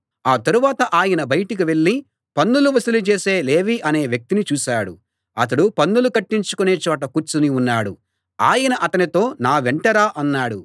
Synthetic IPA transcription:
aːt̪ɐɾuʋaːt̪ɐʔaːjɐnɐbɐjɐʈik̬iʋe̞ɭːi | pɐnːuluʋɐsɐlut͡ʃe̞ːse̞ːle̞ːʋiʔɐne̞ːʋjɐk̚t̪init͡ʃuːʃaːɽṵ | ɐt̪̬ɐɽupɐnːulukɐʈːiɲt͡ʃu̥kune̞ːt͡ʃɔːʈ̬ɐkut͡ʃuniunːaːɽu | aːjɐnɐʔɐt̪ɐnit̪o̞ːnaːʋeɳʈɐɾaːʔɐnːaːɽu

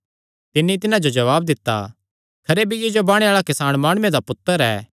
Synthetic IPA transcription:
t̪ɪnːit̪ɪnãd͡ʒod͡ʒɐʋaːbd̪ɪt̪ːa̰ | kʰɐɾebʱijeːd͡ʒobaːɽ̃ẽaːɭakɪsaːɽ̃maːɽ̃ʊmẽd̪apʊt̪ːəɾɛː

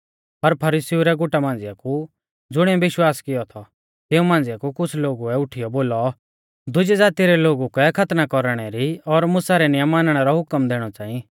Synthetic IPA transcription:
pɐɾpʰɐɾisiuɾɛɡʊʈamãːn̆d͡zɪjaku | d͡zʊɽ̃ɛ̃bɪʃwaːskɪjɔt̪ʰɔ | t̪eːũmãːnd͡zjakukʊt͡sʰloːɡuɛʊʈʰɪjɔboːlɔ | d̪ʊd͡ʒid͡zaːt̪iɾɛloːɡukɛkʰɐt̪nakɔɾɽ̃ɛɾiɔɾmʊsaɾɛnɪjəmːaːnɽ̃ɛɾɔɦʊkəmd̪eːɽ̃ɔt͡ʃãːi

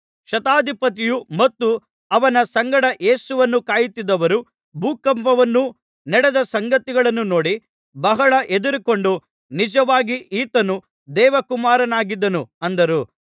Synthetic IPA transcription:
ʃɐt̪aːd̪ʱipɐt̪̬ijumɐt̪ːu | ɐʋɐnɐsɐŋɡɐɽɐʔe̞ːsuʋɐnːukaːjit̪ːid̪ɐʋɐɾu | bʱuːkɐmpɐʋɐnːu | nɛɽɛd̪ɐsɐŋɡɐt̪iɡɐɭɐnːuno̞ːɽi | bɐɦɐɭɐʔed̪uɾiko̞ɳɖu | nid͡ʒɐʋaːɡiʔiːt̪ɐnu | d̪ɛːʋɐkumaːɾɐnaːɡid̪ːɐnuɐnd̪ɐɾu

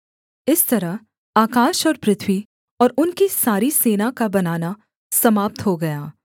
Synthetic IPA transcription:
ɪst̪ɐɾəɦ | aːkaːʃɔːɾpɾɪt̪ʰwi | ɔːɾʊnkisaːɾiseːnakabɐnaːna | sɐmaːp̚t̪ɦoɡɐjaː

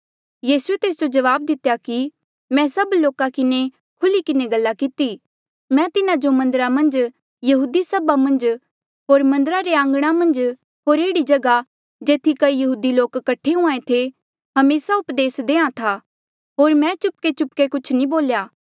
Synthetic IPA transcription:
jiːsuet̪eːs̬d͡ʒod͡ʒɐʋaːb̚d̪ɪt̪jaki | mɛ̃sɐbloːkakɪne | kʰʊlikɪneɡɐlːakɪt̪i | mɛ̃t̪ɪnad͡ʒomɐ̃nd̪əɾamɐ̃nd͡ʒ | jɐɦuːd̪isɐbamɐ̃nd͡ʒ | ɦoːɾmɐ̃nd̪əɾaɾeãːŋɡɽ̃amɐ̃nd͡ʒ | ɦoːɾeːɽid͡ʒɐɡa | d͡ʒeːt̪ʰikɐijɐɦuːd̪iloːkːɐʈʰːeɦũãːẽt̪ʰe | ɦɐmeːsaʊpd̪eːsd̪ẽːãt̪ʰaː | ɦoːɾmɛ̃t͡ʃʊp̚ket͡ʃʊpkekʊt͡ʃʰnĩboːljaː

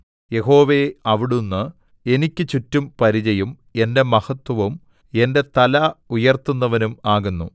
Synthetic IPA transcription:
je̞ɦo̞ːʋe̞ɐʋiɽunːɨ | e̞nikʲːɨt͡ɕutːumpɐɾid͡ʑɐjum | e̞nde̞mɐhɐt̪wɐʋɐm | e̞nde̞t̪ɐlɐujɐrt̪unːɐʋɐnumaːɣunːu

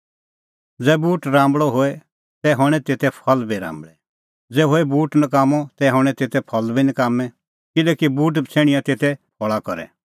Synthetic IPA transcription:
d͡zɛːbuːʈɾãːmbɭɔɦoɛ | t̪ɛɦɔɽ̃ɛt̪eːt̪ʰɛpʰɐlbiɾã̰ːmbɭɛ | d͡zɛːɦoːɛbuːʈnɐkaːmɔt̪ɛɦɔ̃ɽ̃ɛ̃t̪eːt̪ʰɛpʰɐlbinəkaːmɛ̃ | kɪlɛːkibuːʈ̬t͡sʰeːɽ̃ɪjãt̪eːt̪ʰɛpʰɔɭakɔɾɛ̰

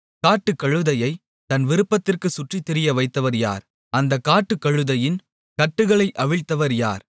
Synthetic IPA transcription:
kaːʈːɯkːɐɻɯðɐjɐɪ | t̪ɐnʋɪɾɯpːɐt̪ːɪrkɯsʊʈrit̪ːɪɾɪjɐʋɐɪt̪ːɐʋɐɾja̰ːɾ | ɐnd̪ɐkːaːʈːɯkːɐɻɯðɐjɪn | kɐʈːɯɣɐɭɐɪʔɐʋɪɻt̪ːɐʋɐɾja̰ːɾ

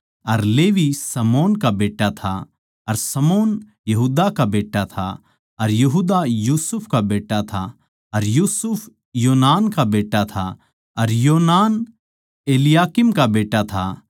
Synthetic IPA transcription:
ɐɾleːʋisɐmoːnkabeːʈat̪ʰa̰ | ɐɾsɐmoːn | jɐɦuːd̪akabeːʈat̪ʰa̰ | ɐɾjɐɦuːd̪ajuːsʊpʰkabeːʈːat̪ʰa | ɐɾjuːsʊpʰ | joːnaːnkabeːʈːat̪ʰa̰ | ɐɾjoːnaːn | eːlɪjaːkɪmkabeːʈat̪ʰa

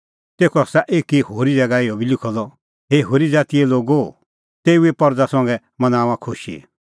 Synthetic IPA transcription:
t̪eːkʰɔsaʔeːkihoːɾid͡zɐɡaɪɔbilɪkʰɔlɔ | ɦeɦoːɾid͡zaːt̪iɛloːɡo | t̪eːuepɔɾd͡zasɔ̃ŋɡɛ | mɐnaːũãkʰʊʃḭ

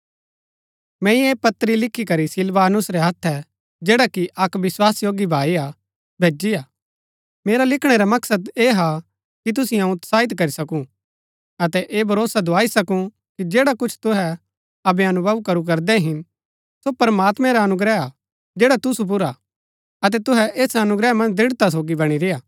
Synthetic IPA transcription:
mɛ̃ːĩeːpɐt̪ːɾilɪkʰːikɐɾisɪlʋaːnʊsɾɛɦɐt̪ʰːɛ | d͡ʒeːɽakiʔɐkʋɪswaːsjoːɡibʱaːia | bʱeːd͡ʒiaː | meːɾalɪkʰɽ̃ɛɾamɐksəd̪eːɦa | kit̪̬ʊsɪjãt̪saːɪt̪kɐɾisɐkũ | ɐt̪ɛʔeːbʱɐɾoːsad̪oaːisɐkũ | kid͡ʒeːɽakʊt͡ʃʰt̪ʊɦɛ | ɐbɛɐnʊbʱɐʋkɐɾuk̬ɐɾd̪ɛɦɪn | sopɐɾmaːt̪mɛ̃ɾaɐnʊɡɾɛa | d͡ʒeːɽat̪ʊsup̬ʊɾa | ɐt̪̬ɛt̪ʊɦɛʔeːsɐnʊɡɾɛmɐ̃nd͡ʒd̪ɪɽt̪as̬oːɡibɐɽ̃iɾejaː

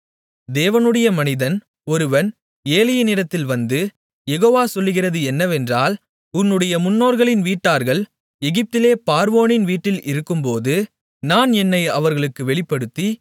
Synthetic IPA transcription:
d̪eːʋɐnɯɽɐjɐmɐnɪðɐn | ɔɾɯʋɐn | eːlɪjɐnɪɽɐt̪ːɪlʋɐnd̪ɯ | jɛɣoːʋaːsɔlːɯɣɪrɐðɯɛnːɐʋɛndraːl | ʊnːɯɽɐjɐmʊnːoːɾɣɐɭɪnʋiːʈːaːɾɣɐɭ | ɛɣɪp̚t̪ɪleːpaːɾʋoːnɪnʋiːʈːɪlʔɪɾɯkːɯmpoːðɯ | naːnɛnːɐɪɐʋɐɾɣɐɭɯkːɯʋɛɭɪpːɐɽɯt̪ːi

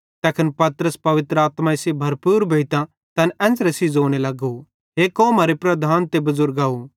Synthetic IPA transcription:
t̪ɛːkʰənpɐt̪ɾəspɐʋɪt̪ɾəaːt̪maɪsebʱɐɾpuːɾbʱɐit̪ã | t̪ɐnɛ̃ːsɾesizoːɽ̃elɐɡo | ɦekoːmaːɾepɾɐd̪ʱaːnt̪ebɐzʊɾɡaːu

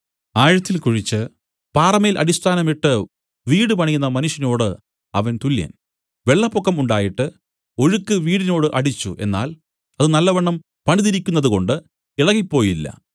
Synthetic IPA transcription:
aːɻɐt̪ːilkuɻit͡ɕːɨ | paːrɐmɐjilʔɐ̰ɾist̪ʰaːnɐmiʈːɨ | ʋiːɽɨpɐɳɐjunːɐmɐnuʂjɐno̞ːɽɨ | ɐʋɐnt̪uljɐ̰n | ʋe̞ɭːɐpːokːɐmuɳɖaːjiʈːɨ | o̞ɻukːɨʋiːɽino̞ːɽɨʔɐɽit͡ɕːuʔe̞̰nːa̰ːl | ɐðɨnɐlːɐʋɐɳːɐm | pɐɳiðiɾikʲːunːɐðuko̞ɳɖɨ | iɭɐɣipːo̞ːjilːɐ̰

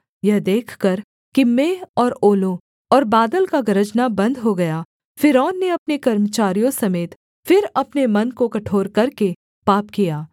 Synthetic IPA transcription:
jɐɦd̪eːkʰkɐɾ | kimeːɔːɾoːlõ | ɔːɾbaːd̪əlkaɡɐɾəd͡ʒnabɐ̃nd̪ɦoɡɐja | fɪɾɔːnːeɐpnekɐɾmət͡ʃaːɾijõsɐmeːt̪ | fɪɾɐpnemɐnkokɐʈʰoːɾkɐɾke | paːp̚kijaː

